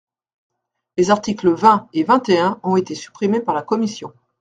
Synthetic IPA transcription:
lezaʁt̪ikləvɛ̃evɛ̃t̪eɛ̃ɔ̃et̪esy̥pχimepaʁlakɔmisjɔ̃

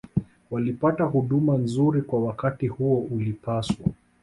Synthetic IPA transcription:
walipatahuɗumanzuɾikwawakatihuɔʔulipaswa

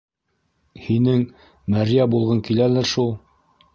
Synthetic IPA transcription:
hinɘŋ | mæɾijæbulˠʁɤŋkilælɘɾʃulˠ

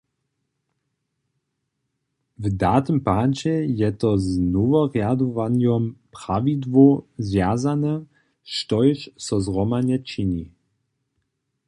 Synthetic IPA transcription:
vdat̪əmpat͡ɕɛjɛt̪ɔznuvɔʁjad̪ɔvanjɔmpʁ̥avidvozvjazanɛ | ʃtɔjʃsɔzʁɔmanɛt͡ʃini

